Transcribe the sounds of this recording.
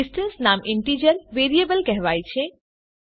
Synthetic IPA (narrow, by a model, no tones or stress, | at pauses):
ɪsʈə̃nsnaːmɪ̃ɳʈiːd͡ʒəɾʋeːɾiebəlkɛɦʋaːit͡ɕʰẽ